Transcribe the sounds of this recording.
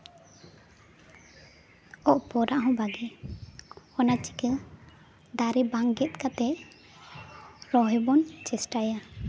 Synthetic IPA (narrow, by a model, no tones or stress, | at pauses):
ɔʔpɔɾaʔɦɔ̃baɡɛ | ɔnat͡ʃi̥kɛl | d̪aɾɛbaŋɡɛt̪̚kat̪ɛ | ɾɔɦɛbɔnt͡ʃɛsʈaja